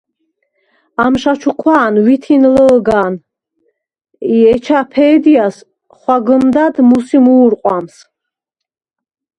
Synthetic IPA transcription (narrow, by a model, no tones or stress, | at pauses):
amʃat͡ʃʰuqʰwaːnwit̪ʰinləlɡaːn | iɛt͡ʃʰapʰɛːd̪ias | χwaɡəmd̪ad̪musimuːɾqʼwams